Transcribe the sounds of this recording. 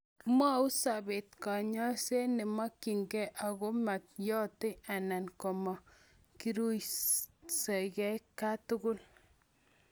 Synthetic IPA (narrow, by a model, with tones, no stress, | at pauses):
ma˦u˦sa˨be˨tka˨ɲɔ˦se˦ne˨ma˦ki˨ŋɡɛ˦ʔa˨ɣo˦ma˨t̚jɔ˦te˦a˨na˨nkɔ˨mɔ˨ | ki˦ɾu˦j | se˨kɛ˦kːa˦tʊ˦ɡʊ˦l